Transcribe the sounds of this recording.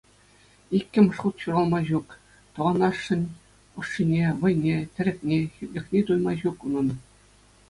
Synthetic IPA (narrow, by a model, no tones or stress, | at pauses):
ikʲːɘ̆mʲʂχut̪ɕuɾɑlˠmɑʑuk | t̪ɤ̆ʋɑnɑʂːɘ̆nʲ | ɤ̆ʂːinʲeʋɤ̆jnʲet̪ʲɘ̆ɾʲɘ̆kʲnʲexʲytʲlʲɘ̆xʲnʲet̪ujmɑʑukunɤ̆n